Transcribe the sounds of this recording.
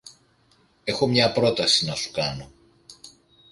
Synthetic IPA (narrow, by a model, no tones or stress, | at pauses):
e̞xo̞mɲɐpɾo̞t̪ɐsinɐsu̥kɐno̞